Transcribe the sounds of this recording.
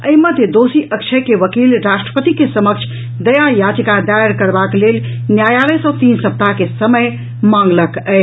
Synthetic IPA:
əiməd̪ʱjəd̪osiʔəkt͡ʃʰəkeʋəkilɾaʃʈɾəpət̪ikesəməkt͡ʃʰ | d̪əjajad͡ʒikad̪ajəɾkəɾbaklel | njajaləsɔt̪insəp̚t̪akesəməj | mãŋɡləkɛɪ

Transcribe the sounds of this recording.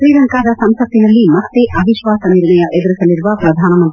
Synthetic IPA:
ʃɾiːɾɐŋkaːd̪ɐsɐmsɐt̪ːinɐlːimɐt̪ːeʔɐbʱiʃʋaːsɐniɾɳɐjɐʔed̪ɐɾisɐlːiɾuʋapɾɐd̪ʱaːnɐmɐnt̪ɾi

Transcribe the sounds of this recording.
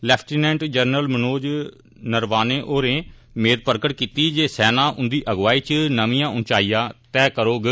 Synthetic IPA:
lɛːpʰʈinɛ̃ːɳʈd͡ʒəɾnəlmənoːd͡ʒ | nəɾʋaːneːʔoːɾẽː | meːɾpəɾkəʈkiːt̪iːd͡ʒeːsɛːnaːʔʊnd̪iːʔəɡʋaːiːt͡ʃnəʋĩːãːʊnt͡ʃaːijãːt̪ɛːkəɾoːɡ

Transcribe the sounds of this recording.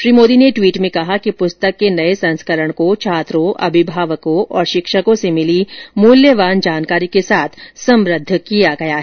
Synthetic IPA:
ʃɾiːmoːd̪ineʈwiːʈmẽkɐɦakipʊst̪əkːenɐesɐ̃nskəɾəɽ̃kot͡ʃʰaːt̪ɾõʔɐ̰bʱɪbʱaːʋəkõʔɔːɾʃɪkʃəkõsemɪlimuːljəʋaːnd͡ʒaːnkaːɾikesaːt̪ʰsɐ̃mɾəd̪ʱːkijaɡɐjaɦɛ

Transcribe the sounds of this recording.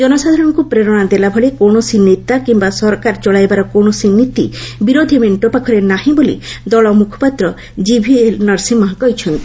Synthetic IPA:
d͡ʒɔnɔsad̪ʱaɾɔ̃ŋkupɾeɾɔɽ̃ad̪elabʱɔɭekoɳ̃ɔsinit̪akimbasɔɾɔkaɾt͡ʃɔɭajbaɾɔkoɽ̃ɔsinit̪ḭbiɾod̪ʱimeɳʈopakʰɔɾenaɦĩbolḭd̪ɔɭɔmukʰɔ̥pat̪ɾɔ | d͡ʒibʱielnɔɾsimɔɦɔkɔɦit͡ʃʰɔnt̪i

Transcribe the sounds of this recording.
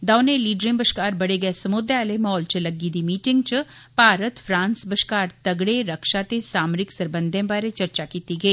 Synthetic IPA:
d̪aːʊneliːɖɾɪ̃ŋbəʃkaːɾbɐɽeɡɐesɐmʊd̪aːlemɔːlt͡ʃəlɐɡid̪imiːʈɪ̃ŋɡt͡ʃpaːɾət̪fʰɾãːnsbəʃkaːɾt̪ɐɡɽeɾɐkʃat̪esaːmɾɪksɐɾbə̃nd̪ʱẽbaːɾet͡ʃɐɾt͡ʃakiːt̪iɡɐiː

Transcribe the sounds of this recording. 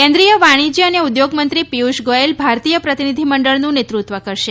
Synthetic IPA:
kɛ̃nd̪ɾijəʋaɽ̃id͡ʒiəneud̪joɡmənt̪ɾipiuʃɡoelbʱaɾt̪ijəpɾət̪inid̪ʱiməɳɖəɭnũnet̪ɾut̪ʋəkəɾʃe

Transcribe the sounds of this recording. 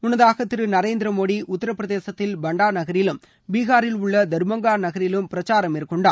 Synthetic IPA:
mʊnɐðaːɣɐt̪ːɪɾɯnɐɾeːnd̪ɪɾɐmoːɽiʊt̪ːɐɾɐpːɾɐðeːsɐt̪ːɪlbɐɳɖaːnɐɣɐɾjɪlɯm | biːɣaːɾɪlʊɭːɐd̪ɐɾɯmɐŋɡaːnɐɣɐɾɪlɯmpɪɾɐt͡ʃːaːɾɐmɪɾɯkːɯɳɖaː

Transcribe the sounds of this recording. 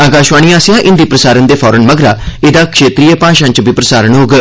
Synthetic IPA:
aːɡaːʃʋaːɳiːaːsjãːʔɪnd̪iːpɾəsaːɾənd̪eːpʰɔːɾənməɡɾaːɪd̪aːkʃeːt̪ɾiːepãːʃãɲt͡ʃbiːpɾəsaːɾəɳɦoːɡ

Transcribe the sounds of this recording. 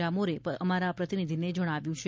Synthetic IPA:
amoɾeəmaɾapɾət̪inid̪ʱined͡ʒəɽ̃aʋjũt͡ʃʰe

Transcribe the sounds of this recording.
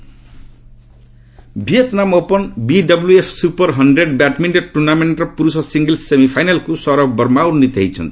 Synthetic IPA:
bʱiʌt̪namopʌnbiɖʌbluepʰsupʌrɦʌnɖreɖbaʈmiɳʈeɖ̚ʈurnameɳʈrʌpuɾusʌsiŋɡʌlsemipʰajnalkosʌɾʌk̚bʌrmawɾnit̪ɦjt͡sʰʌ̰n

